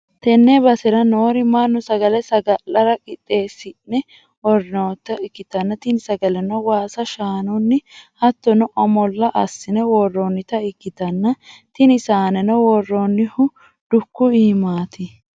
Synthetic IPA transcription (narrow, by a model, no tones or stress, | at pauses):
t̪ɛnːɛbɐsɛɾɐnoːɾɪmɐnːʊsɐɡɐlɛsɐɡɐlɐɾɐkʼɪt̪ʼːe̞ːsːɪnɛ | wɔɾɪnot̪ːɐɪkːɪt̪ɐnːɐt̪ɪnɪsɐɡɐlɛnɔwaːsɐʃaːnʊnːɪhɐt̪ːɔnɔʔɐmɔlːɐʔɐsːɪnɛwɔrːoːnːɪt̪ɐɪkːɪt̪ɐnːɐt̪ɪnɪsaːnɛnɔwɔrːonːɪhʊ | d̪̥ʊkːʊiːmaːt̪ʰɪ